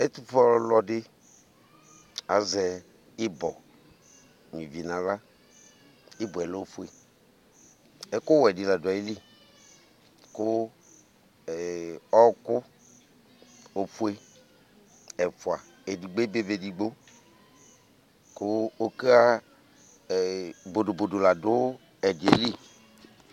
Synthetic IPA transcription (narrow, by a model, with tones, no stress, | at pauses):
e˦t̪u˦fɔ˦lɔ˦dɪ˦ | a˨zɛ˨ | ɪ˦bɔ˨ | mĩ˨vi˨nã˨la˦ | i˦bɔ˨ɛ˨lo˦o˦˨fu˦e˨ | ɛ˦kʊ˦wɛ˨di˨la˨da˨i˦li˦ | kʊ˦˨ | ɔ˦kʊ˦ | o˦fu˦e˦ | ɛ˨fʊ˨a˨ | e˨di˨ɡ͡be˦be˦be˨di˨ɡ͡bo˦ | kʊ˦o˦ke˦a˦˨ | bo˨do˨bo˨do˨la˨dʊ˦ | ɛ˨di˨e˨li˦˨